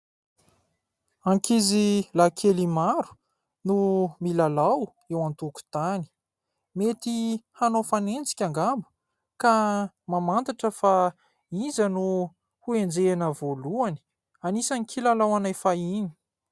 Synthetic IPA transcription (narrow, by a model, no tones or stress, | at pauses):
aŋkizilakʰelimaɾu̥ | numilalaw | ewant̪uku̥t̪ani̥ | met̪ihanofanend͡zi̥kʲaŋɡambu̥ | ka | mamant̪aʈ͡ʂəfa | izənu | huend͡zeanəvoluani̥ | anisanikʰilalawanajfaini̥